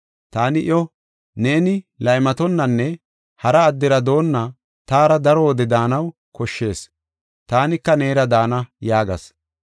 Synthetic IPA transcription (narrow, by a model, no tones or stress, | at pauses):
t̪aːnɪʔɪ̰ɔ | ne̞ːnɪlɐjmɐt̪ɔnːɐnːɛ | hɐɾɐːd̪ːɪɾɐd̪o̞ːnːɐ | t̪aːɾɐd̪ɐɾɔɔd̪ɛd̪aːnɐw | kɔʃːe̞ːs | t̪aːnɪkːɐne̞ːɾɐd̪aːnɐjaːɡɐ̰s